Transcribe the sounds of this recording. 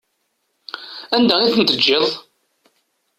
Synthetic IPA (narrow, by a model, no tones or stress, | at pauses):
ænd̪æiθənt̪əd͡ʒːeðˤ